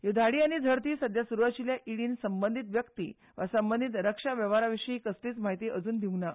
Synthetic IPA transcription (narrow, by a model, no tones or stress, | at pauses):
jud̪ʱaɽiːaɽ̃id͡zʱəɾt̪iːsəd̪ʱjasuɾuʋat͡ɕiljaʔiɽiːnsəmbənd̪ʱit̪ʋjəkt̪ḭ | ʋasəmbənd̪ʱit̪ɾəkʂaʋjəʋaɾaʋiʂiɦikəstiːt͡smaɦit̪iːʔəd͡zuːnd̪ʱiuna